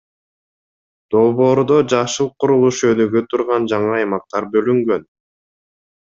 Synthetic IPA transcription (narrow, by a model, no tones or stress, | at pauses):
d̪̥o̞lˠβo̞ːɾd̪od͡ʒɑʃɯlˠqʰuɾulˠuʃønyɡøt̪ʰuɾʁɑnd͡ʒɑɴɑɑjmɑq̚t̪ɑɾbø̞lyŋɡø̞n